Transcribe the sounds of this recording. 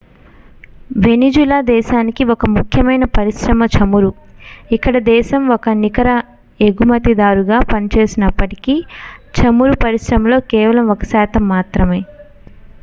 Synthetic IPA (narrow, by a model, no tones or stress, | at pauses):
ʋe̞nid͡ʒulaːd̪ɛːʃaːnikiɔkɐmukʰjɐmɐjnɐpɐɾiʃɾɐmɐt͡ʃʰɐmuɾu | ikːɐɽɐd̪ɛːʃɐmɔkɐnikɐɾɐ | eɡumɐt̪id̪aːɾuɡaːpɐnit͡ʃe̞ːsinɐpːɐʈi̥kiːt͡ʃɐmuɾupɐɾisɾɐmɐlo̞ːkɛːʋɐlɐmɔkɐ̥saːt̪ɐmːaːt̪ɾɐme̞ː